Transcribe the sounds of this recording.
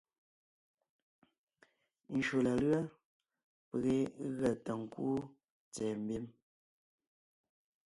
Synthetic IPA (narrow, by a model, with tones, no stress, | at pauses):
n̩˨ʃo˨la˨lɰə˦ | pə˨ɣe˦ɣə˦˨tə˨ŋ̩˨ku˦ | t͡sɛː˨m̩˨bi˦m